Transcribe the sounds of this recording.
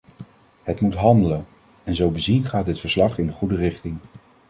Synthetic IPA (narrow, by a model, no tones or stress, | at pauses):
ɦətmutɦɑndələn | ɛnzowbəzinχaːd̚dɪtfəɹslɑχɪndəχudərɪχtɪŋ